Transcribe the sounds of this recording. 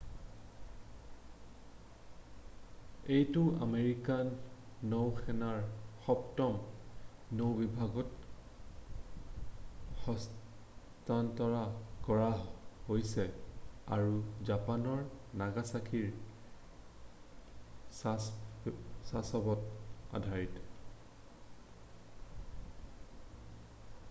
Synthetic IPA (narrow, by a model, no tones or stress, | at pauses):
ejtʊʔameɹikanːowxʰɛnaɹxɔptɔm | nowbibʱaɡɔt | xɔs | tantɔɹakɔɹahojsɛaɹuzapanɔɹ | naɡasakʰiɹ | sasɔbɔta̰dʱaɹit